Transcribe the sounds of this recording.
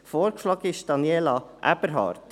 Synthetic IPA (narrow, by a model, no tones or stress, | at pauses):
foːɾkʃlɑːɡɪʃd̥ɑnjelɑʔæ̰b̥əɾɦɑ̰ːɾt